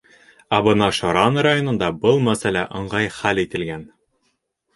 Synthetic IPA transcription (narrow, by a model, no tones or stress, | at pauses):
æbɤ̆nɑʃɒɾɑnɾajonɤ̆nd̪ɑbɤlˠmæsælæʔɤ̆ɴʁɑjχælit̪ɘ̆lɡæn